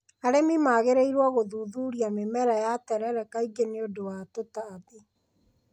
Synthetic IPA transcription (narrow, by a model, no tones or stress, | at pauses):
aɾemimaɣeɾeiɾwɔɣoðuːðuːɾiamemɛɾɛjatɛɾɛɾɛkaiɡeneodowatotaːðe